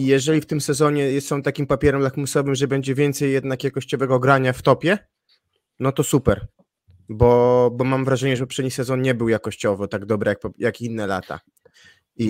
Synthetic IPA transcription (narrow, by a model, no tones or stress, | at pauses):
ijɛʐɛlʲift̪ɘmsɛzɔɲɛjɛsɔ̃w̃t̪akʲimpapʲjɛɾɛmlakmusɔvɘmʐɛbɛɲd͡ʑɛvʲjɛnt̪sɛjːɛd̪nakjakɔɕt͡ɕɔvɛɡɔɡɾaɲaft̪ɔpʲjɛ | nɔt̪ɔsupɛɾ | bɔbɔmamvɾaʐɛɲɛʐɛpɔpʂɛd̪ɲisɛzɔnɲɛbɘwjakɔɕt͡ɕɔvɔt̪aɡd̪ɔbɾɛjak̚pjakinːɛla̰t̪a̰ | i